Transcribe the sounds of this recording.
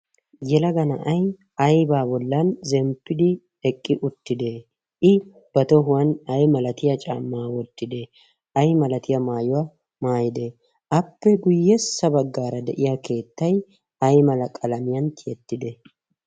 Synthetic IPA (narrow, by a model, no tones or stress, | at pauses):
jɛlɐɡɐnɐʔɐj | ɐjbaːbɔlːɐnzɛmpːɪd̪ɪ | ɛkʼːɪʔʊt̪ːɪd̪ɛ | ʔɪ | b̥ɐt̪ɔɦʊwɐnɐjmɐlɐt̪ɪjɐt͡ʃʼa̰ːmːaːwɔt̪ːɪd̪ɛ | ɐjmɐlɐt̪ɪjɐmaːjʊwa | maːjɪd̪ɛ | ʔɐpːɛɡʊjːɛsːɐbɐɡːaːɾɐd̪ɛ̰ʔɪjake̞ːt̪ːɐj | ɐjmɐlɐkʼɐlɐmɪjɐnt̪ʰɪjɛt̪ːɪd̪ɛ